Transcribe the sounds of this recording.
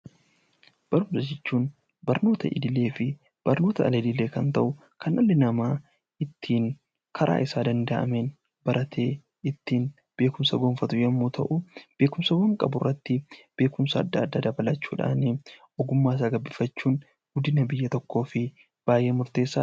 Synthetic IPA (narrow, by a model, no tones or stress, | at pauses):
b̥ɐɾʊmsɐd͡ʒɛt͡ʃːuːn | bɐɾno̞ːt̪ɐʔɪ̰d̪ɪle̞ːfɪ | b̥ɐɾno̞ːt̪ɐɐ̰lɐd̪ɪleːkɐnt̪ɐʔʊ | kɐnʔɐlːɪnɐmaː | ʔɪt̪ʰːiːn | kʰɐɾʔa̰ːʔɪsaːd̪ɐnd̪ɐʔɐ̰men | b̥ɐɾʔɐt̪ʰe̞ː | ɪt̪ːiːn | b̥e̞ːkʊmsɐɡoːnfɐt̪ʊjɛmːuːt̪ʰɐ̰ʔʊb̥e̞ːkʊmsɐɡɔːŋkʼɐ̰bʊrːɐt̪ːɪb̥e̞ːkʊmsɐɐ̰d̪ːaːd̪ːaːd̪ɐbɐlɐt͡ʃːuːᶑa̰ːnɪʔɔɡʊmːaːs̬aːɡɐbːɪfɐt͡ʃːuːn | ɡ̥ʊd̪ɪnɐbɪjːɐt̪ɔkːo̞ːfɪ | b̥aːje̞ːmʊɾt̪e̞ːsːaː